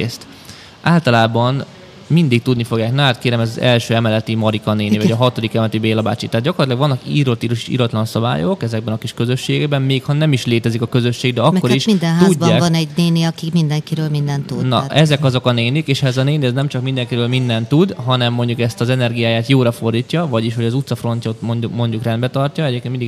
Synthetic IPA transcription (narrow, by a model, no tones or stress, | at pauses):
eːst̪ | ʔaːlt̪ɒlaːbɒn | mind̪ik̚t̪ud̪nifo̞ɡjaːknaːt̪keːɾɛmɛzɒzɛ̰lʃøːɛmɛlɛt̪imɒɾikɒneːnivɒɟɒɦɒt̪o̞d̪ikɛmɛlɛt̪ibeːlɒba̰ːt͡ʃit̪ɛat̪d̪ɟɒkort̪ilɒɡʋɒnːɒkiɾot̪ːiːɾuʃi̥ʃḭːɾɒt̪lɒnsɒba̰ːjo̞kɛzɛɡ̚bɛnɒkiʃkø̞zø̞ʃːeːɡɛɡbɛmmeːkhɒnɛmiʃleːt̪ɛzikɒkø̞zø̞ʃːeːɡ̚d̪ɛɒkmkːoɾiʃmind̪ɛnɦt̪ːuɟbːaːvɒnɛɟneːniɒkikmind̪ɛŋkiɾøːlmind̪ɛnt̪unɒ̰ʔɛzɛkɒzo̞kɒneːnikeːʃɛzɒneːniɛznɛmt͡ʃɒkmind̪ɛŋkiɾøːlmind̪ɛnt̪ud̪ɦɒnɛmːo̞ɲɟukɛst̪ɒzɛnɛrɡijaːjaːt̪joːɾɒfo̞rd̪iːcːɒvɒɟiʃho̞ɟɒzut̪sɒfro̞ncɒt̪moɲumoɲɟukrɛnd̪bɛt̪ɒrcɒɛɟeːpkenmindiɡ